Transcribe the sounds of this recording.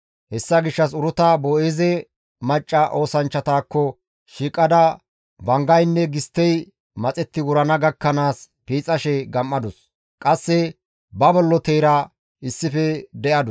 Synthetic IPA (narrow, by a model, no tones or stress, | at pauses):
hɛsːɐɡɪʃːɐs̬ʊɾʊt̪ɐbɔʔeːzɛ | mɐt͡ʃʼːɐʔo̞ːsɐnt͡ʃːɐt̪aːkːɔ | ʃiːkʼːɐd̪ɐ | bɐŋɡɐjnːɛɡɪst̪ːɛj | mɐt͡sʼɛt̪ːɪwʊɾɐnɐɡɐkːɐnaːs | piːt͡sʼːɐʃɛɡɐmːɐd̪ʊs | kʼɐsːɛ | bɐbɔlːɔt̪ejɾɐ | ɪsːɪfɛd̪ɛʔɐd̪ʊ